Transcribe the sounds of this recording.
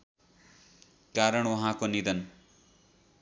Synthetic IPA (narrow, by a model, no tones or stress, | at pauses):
kaɾʌɳwʌɦãkonid̪ʌn